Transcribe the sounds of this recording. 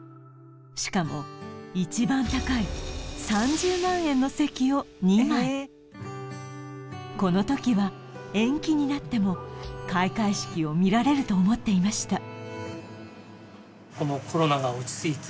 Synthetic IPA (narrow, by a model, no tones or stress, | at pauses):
ɕi̥kamo̞it͡ɕibãnt̪akaisãɲd͡ʑɨːmãɰ̃ẽ̞nːo̞se̞kʲio̞ | ɲimai | ko̞no̞t̪o̞kʲiβa | ẽ̞ŋkʲiɲ̟inat̪ːe̞mo̞kaikaiɕi̥kʲio̞mʲiɾaɾe̞ɾɯ̟t̪o̞ːmo̞t̪ːe̞imaɕi̥t̪a | kono̞kʰo̞ɾo̞naɡaot͡ɕi̥sɨit